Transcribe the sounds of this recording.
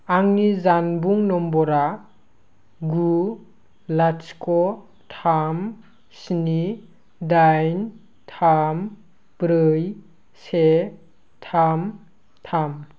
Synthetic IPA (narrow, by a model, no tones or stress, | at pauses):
aŋnizanbuŋnɔmbɔɾa | ɡu | lat͡ʃkɔ | tʰam | sni | dajn | tʰam | b̥ɾɯj | se | tʰam | tʰam